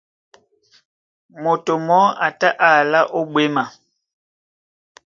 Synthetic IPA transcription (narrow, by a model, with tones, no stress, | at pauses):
mo˨to˨mɔ˦a˨ta˦ʔa˨la˦ʔo˦ɓwe˦ma˨